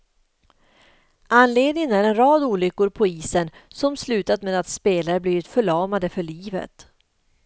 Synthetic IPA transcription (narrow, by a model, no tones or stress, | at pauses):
anleːd̪nɪŋənæɾɛnɾɑːd̪uːlʏkːʊɾpʰɔiːsənsɔmslʉ̟ːt̪at̪meːd̪at̪speːlaɾəbliːvɪt̪fœɭɑːmad̪əfœɭiːvə̰t̪